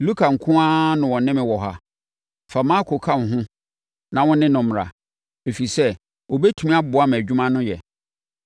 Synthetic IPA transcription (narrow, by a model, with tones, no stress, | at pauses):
lu˦kʰa˨ŋ̩˨kʰʊ̃˦a˦nʊ̃˨wɔ̃˨nɪ̃˦mɪ̃˨wɔ˨ɦa˦ | fa˨mã˦kʰo˨kʰa˦n˨ɦʊ̃˦ | nã˨wʊ̃˦nɪ̃˦nʊ̃˨m˨a̰˨ | e˨fi˨sɛ˦ | ɔ˨bɛ˦tʰu˨mĩ˦a˦bʊ˨a˦m˨æ˨d͡ʑᶣu˦mã˦nʊ̃˦jɛ˨